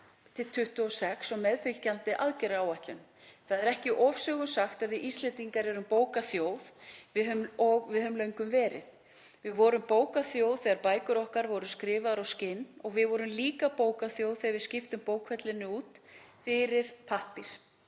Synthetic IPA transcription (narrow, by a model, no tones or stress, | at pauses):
t̪ʰɪlt̪ʰʏht̪ʏɔsɛksɔɣmɛðfɪlcant̪ɪʔaðcɛɾaːwaht̪lʏn | θaðɛɾɛhcɪʔɔvsœɣʏmsaxt̪aðvɪðʔist̪lɪt̪iŋkaɾɛɾʏmpoːwkaθjoːwðvɪðhʏmɔɣvɪðhœmlœɥŋkʏmvɛːɾɪ̰θ | vɪðvɔːɾʏmpoːwkaθjowðθɛɣaɾpaːjkʏɾɔhkaɾvɔɾʏskɾɪːvaðɾawscɪnːɔɣvɪðvɔɾʏmliːkapoːwkaθjowðθɛɣaɾvɪðscɪft̪ʏmpoːwkʰfɛt̪lɪnːɪuːt̪ | fɪɾɪɾ̥pʰahpiɾ̥